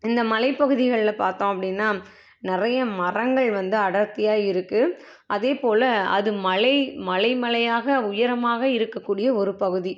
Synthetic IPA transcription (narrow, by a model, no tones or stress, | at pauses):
ɪnd̪ɐmɐlɐɪpːɐɣɯðɪɣɐɭɪlɐpaːɾt̪õːɐpːɐɽɪnːaː | nɪrɐjɐmɐrɐŋɡɐɭʋɐnd̪ɯɐɽɐɾt̪ɪjaːɪɾɯkːɯ | ʔɐðeːpoːlɐɐ̰ðɯmɐlɐɪmɐlɐɪmɐlɐjaːɣɐʊjɐɾɐmaːɣɐɪɾɯkːɐkːuːɽɪjɐɔɾɯpɐɣɯði